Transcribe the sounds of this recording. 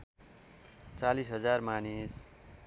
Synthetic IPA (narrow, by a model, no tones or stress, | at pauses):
t͡salisɦʌd͡zarmanis